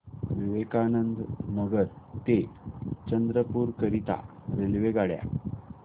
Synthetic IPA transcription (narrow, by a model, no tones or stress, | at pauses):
ʋiʋekanənd̪nəɡəɾt̪et͡ɕənd̪ɾəpuːɾkəɾit̪a̰ɾelʋeɡaɭja̰